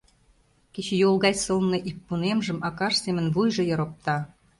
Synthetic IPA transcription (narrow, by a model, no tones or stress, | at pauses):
ket͡ɕejolɣɑjsɤlnɤ̆ʔipːunemʒə̆mʔɑkɑʃsemə̆nβujʒɤ̆jɤ̆ɾop̚t̪ɑ